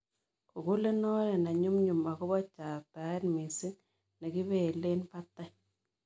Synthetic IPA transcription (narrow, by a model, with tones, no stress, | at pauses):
ku˨ku˦le˦nɔ˦ɾɛ˨na˨ɲu˦mɲu˨ma˨ku˦βɔ˦t͡ʃa˨pa˨˦e˦nmi˨si˦ | ne˨ki˦βe˨le˦npa˦tːa˦